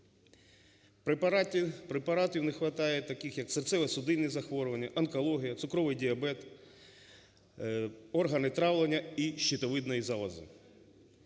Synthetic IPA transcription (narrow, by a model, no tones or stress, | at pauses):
p | pɾepɐɾɑt̪ɪwnɪxʋɐt̪ɑjɛt̪ɐkɪxjɐksert̪sɛʋɛsʊd̪ɪnːɛzɐxʋɔɾʊʋɐnʲːɐʔɐnkɔlˠɔɦʲijɐt̪sʊkɾɔʋɪjdʲiɐbɛt̪ | ɔrɦɐnɪt̪ɾɑʋlˠenʲːɐiʃːit̪ɔʋɪd̪nɔjizɑʋɐzɪ̰